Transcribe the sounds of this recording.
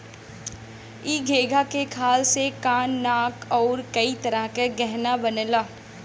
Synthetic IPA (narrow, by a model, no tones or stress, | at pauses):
iːɡʱeːɡʱakekʰaːlsekaːnːaːkɔːɾkɐit̪ɐɾəɦkeɡɛɦnabɐnəlaː